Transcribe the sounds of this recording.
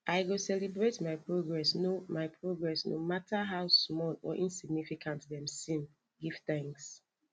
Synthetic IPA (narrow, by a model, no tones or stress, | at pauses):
ʔaɪɡosɛlɛbɹetmaɪpɹoɡɹɛsnomaɪpʰɹoɡɹɛsno̰matʰəɦaʊsmɔlɔ̰ʔĩnsiɡ̚nifikʰãntðɛ̃msĩn | ɡiv̥θɛ̃ŋks